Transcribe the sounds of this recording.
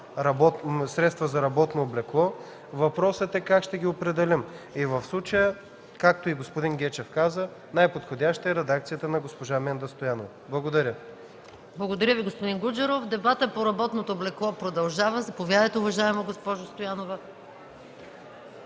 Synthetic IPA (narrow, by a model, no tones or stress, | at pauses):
ɾɐbɔt̪sɾɛt̪st̪vɐzɐɾɐbɔt̪noblɛklˠɔ | vɐpɾɔsət̪ɛkakʃt̪ɛɡʲiopɾɛd̪ɛlʲimivəfslˠut͡ʃəjə | kak̚t̪oiɡospod̪inɡʲɛt͡ʃɛfkazə | najpot̪xod̪ʲaʃt̪əɛɾɛd̪akt̪sijət̪ənɐɡospoʒamɛnd̪əst̪ojanovɐblˠɐɡod̪ɐɾʲə | blˠɐɡod̪ɐɾʲjəviɡospod̪inɡud͡ʒɐɾofd̪ɛbat̪əpoɾɐbɔt̪not̪oːblɛklˠɔpɾod̪ɐlˠʒavəzɐpovjad̪əjt̪ɛʊvɐʒaɛmoɡospɔʒost̪ojanovə